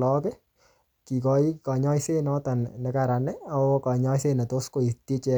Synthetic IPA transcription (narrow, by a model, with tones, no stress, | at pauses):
lɔ˦kɛ˦ | ki˨kɔ˨i˦ka˨ɲɔ˦ise˦nɔ˦ta˨nnɛ˨ka˨ɾa˨nɛa˨o˦ka˨ɲɔ˦jse˦na˨to˦sko˦i˨ti˦t͡ʃɛ˧